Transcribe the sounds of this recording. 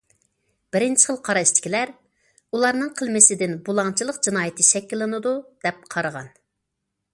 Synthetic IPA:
b̥ɪɾɪnt͡ʃʰɪ̥χəlˠqʰɑɾɑʃt͡ʃʰi̥kʲilæɾ | ulˠɑɾnɨŋqʰəlˠmɪsɪd̪ɪnbulˠɑŋt͡ʃʰilˠəqd͡ʒinɑːjɪt̪ʰɨʃɛkʲːilˠːɨnɨd̪ud̪̥ɛp̚qʰɑɾəʁɑ̰n

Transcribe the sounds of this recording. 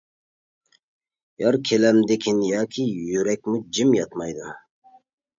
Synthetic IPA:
jɑɾkʰʲelæmd̪ekʲʰinjɑːkʰʲijyɾɛk̚ʲmud͡ʒimjɑt̪mɑjd̪u

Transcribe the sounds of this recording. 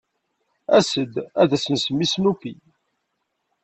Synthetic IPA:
æsəd̪æðæsənsəmːisnufi

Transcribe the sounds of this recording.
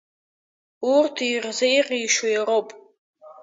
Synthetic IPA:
urtʰirzejqʼiʃojaɾopʼ

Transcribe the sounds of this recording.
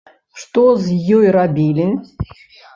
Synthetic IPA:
ʂt̪ɔzʲjɔjɾabʲilʲi

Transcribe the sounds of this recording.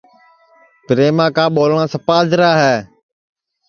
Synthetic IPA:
pɾeːmãːkãːɓoːlɳãːsəpaːzɾaːɦɛː

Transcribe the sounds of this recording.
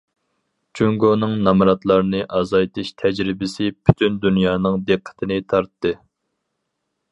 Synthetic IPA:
t͡ʃʰyŋɡonɨŋnɑmɾɑt̪lˠɑɾnɨʔɑzɑjt̪ʰɨʃt̪ʰɛd͡ʒɾɪbɪsɪpʰy̥t̪ʰynd̪unjɑːnɨŋd̪ɨqʰːə̥t̪ʰɪnɨt̪ʰɑɾt̪ːɨ

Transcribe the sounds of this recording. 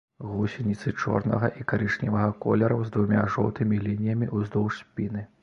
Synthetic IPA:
ɣusʲinʲit̪sɨt͡ʂɔ̰rnɐ̰ɣɐʔikaɾɨʂnʲivɐɣɐkɔ̰lʲɛɾɐwzd̪vumʲaʐɔwt̪ɨmʲilʲinʲijɐmʲiʔuzd̪ɔwʂsʲpʲinɨ

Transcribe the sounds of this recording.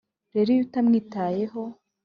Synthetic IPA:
ɾe̞ɾijutamŋiːtaːje̞ɦo̞

